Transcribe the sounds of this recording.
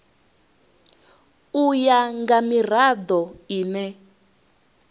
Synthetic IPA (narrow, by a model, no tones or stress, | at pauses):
ujaŋɡamirad̪ɔiːnɛ